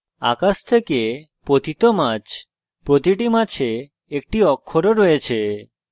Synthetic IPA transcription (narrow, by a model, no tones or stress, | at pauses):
a̰kast̪ʰeke | pot̪it̪omat͡ɕ | pɾot̪iʈimat͡ɕʰeː | k̚ʈiɔkʰːoɾoɾɔet͡ɕʰe